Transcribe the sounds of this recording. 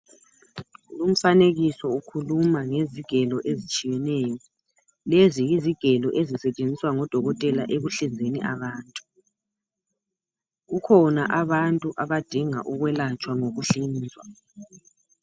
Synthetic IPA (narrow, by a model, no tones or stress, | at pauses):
lum̩faneɣisɔukʰulumaŋeziɡ̥ʱɛlɔʔezit͡ʃʼijɛnɛjɔ | leziiziɡ̥ʱɛlɔʔezisɛt͡ʃʼend͡zʱiswaŋɔd̥ʱɔɣɔtʼɛlaʔeɣuɬind͡zʱenḭʔaβaːntʼu | ɣukʰɔnaʔaβantʼuʔaβad̥ʱiŋa̰ʔuɣwɛlat͡ʃʼwaŋoɣuɬiːnd͡zʱwa